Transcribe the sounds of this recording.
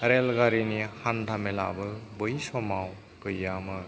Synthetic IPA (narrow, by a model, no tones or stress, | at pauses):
ɾelɡaɾinihandʱamela̰bɯbɯjsɔmaw | kɯjamɯ